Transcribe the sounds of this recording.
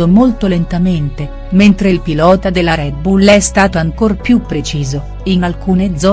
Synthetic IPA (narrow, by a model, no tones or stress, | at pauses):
omolt̪olent̪ament̪e | ment̪ɾeilpilɔːt̪ad̪elːaɾɛd̪̚bulːɛst̪aːt̪oaŋkorpjupːɾet͡ʃiːzo | inalkuːned̪zːɔ